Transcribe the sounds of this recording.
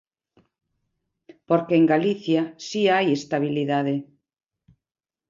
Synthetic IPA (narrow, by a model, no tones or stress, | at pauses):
poɾkeːŋɡaliθjasiajest̪aβ̞iliðaðe